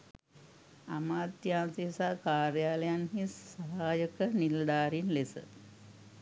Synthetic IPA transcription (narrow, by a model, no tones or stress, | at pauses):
amaːt̪jaːnsisaːkaːɾjaːləjanɦisːəɦaːjəkənild̪aːɾinlesə̰